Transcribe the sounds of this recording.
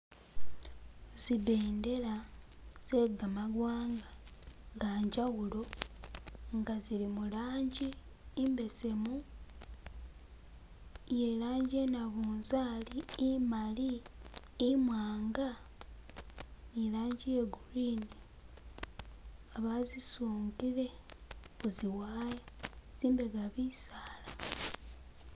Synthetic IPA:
ziβe̞ːnde̞laz̥e̞ɡamaɡwaːŋɡaŋɡaɲɟaɣulo̞ | ŋɡazilimulaːɲɟiː | mbe̞se̞mu | je̞laːɲɟe̞naβuːnzaːliːmaliː | mwaːŋɡa | nilaːɲɟije̞ɡuɾine | aβazisuːntile̞kuziwaːjaz̥iːmbe̞ɡaβisaːla

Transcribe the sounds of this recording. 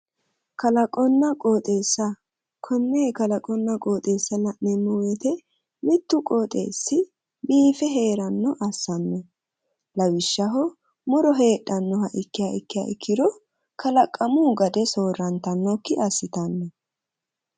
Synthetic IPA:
kɐlɐkʼɔnːɐkʼoːt̪ʼe̞ːsːɐ | kʰɔnːeːkɐlɐkʼɔnːɐkʼo̞ːt̪ʼe̞ːsːɐlɐʔnɛmːɔwet̪ɛ | mɪt̪ːʊkʼoːt̪ʼe̞̰ːsːɪ | biːfɛɦe̞ːɾɐnːɔʔɐsːɐnːɔ | lɐwɪʃːɐɦɔ | mʊɾɔɦe̞ːɗɐnːɔhɐʔɪkːɪjaɪkːɪja̰ːʔɪkːɪd̪ɔ | kɐlɐkʼːɐmuːɡɐd̪ɛsoːɾːɐnt̪ɐnːɔkːɪʔɐsːɪt̪ɐnːɔ

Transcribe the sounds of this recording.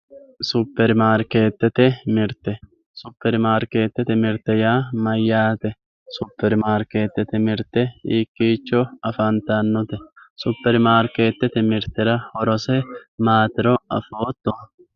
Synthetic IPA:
sʊpːɛɾmaːɾke̞ːt̪ːɛt̪ɛmɪɾt̪ɛ | sʊpːɛɾmaːɾke̞ːt̪ːɛt̪ɛmɪɾt̪ɛjaːmɐjːaːt̪ɛ | sʊpːɛɾmaːɾkeːt̪ːɛt̪ɛmɪɾt̪ɛiːkːiːt͡ʃːɔɐfɐnt̪ɐnːʊt̪ɛsʊpːɛɾmaːɾkeːt̪ːɛt̪ɛmɪɾt̪ɛɾɐhɔɾɔsɛmaːt̪ɪɾɔɐ̰foːt̪ːɔ

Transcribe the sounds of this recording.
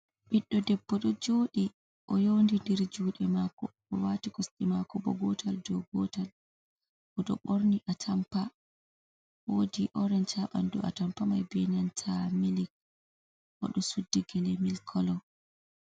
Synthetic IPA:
ɓiɗːɔdɛbːɔɗɔd͡ʒoːɗi | ʔɔjondindɛɾd͡ʒuːɗɛmakɔ̰ʔɔwatikɔsɗimakɔbɔ̰ɡɔtʰaldɔɡɔtal | ʔɔɗɔ̰ɓoɾniʔatʰampa | woːdiʔɔɾɛnt͡ʃaɓa̰ndṵa̰tampamajbeniantʰamilik̚ | ʔɔ̰ɗɔsudːiɡɛlɛmilkʰɔlɔ

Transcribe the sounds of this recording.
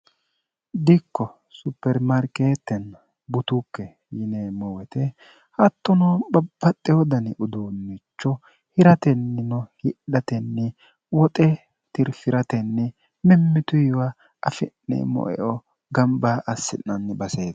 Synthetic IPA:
d̪ɪkːɔ | sʊpːɛɾmɐɾkeːt̪ːɛn | bʊt̪ʊkːɛ | jɪnemɔwɛt̪ɛ | hɐt̪ːɔnɔbɐbːɐt̪ʼːɛjɔd̪ɐnɪʔʊd̪uːnːɪt͡ʃːɔ | hɪɾɐt̪ɛnːɪnɔhɪɗɐt̪ɛnːɪ | wɔt̪ʼɛ | t̪ɪɾfɪɾɐt̪ɛnːɪ | mɪmːɪt̪ʊjwɐ | ɐfɪnːɛ̰mɔ̰ʔɛ̰ʔɔ | ɡɐmbaʔɐsːɪnːɐnːɪbɐseːd̪ɐ

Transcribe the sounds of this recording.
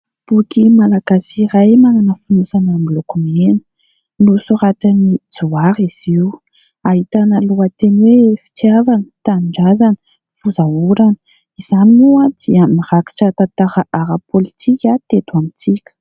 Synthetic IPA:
b̥ukimalaɡ̥asiɾajmananəfunusanamilokumenə̥ | lusuɾat̪ənid͡zuaɾiz̥iwu | aɦit̪anəluat̪enwefi̥t̪javanət̪aniɳɖ͡ʐazanə̥ | fuzauɾanə̥ | iz̥anuad̪̥iəmiraki̥ʈ͡ʂət̪at̪aɾaʔaɾapolit̪ʰikʲat̪et̪uamit͡sikʲə̥

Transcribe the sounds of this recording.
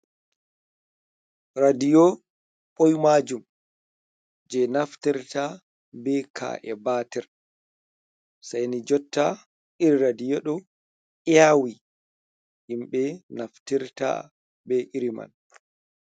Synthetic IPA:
ɾadijɔ | ɓojmad͡ʒum | d͡ʒɛnaftiɾta | bɛkʰa̰ʔɛbatɛɾ | sajnid͡ʒɔtʰːa | ʔiɾɾadijɔɗɔ | ʔɛjawi | himɓɛnaftiɾta̰ | bɛʔiɾima̰n

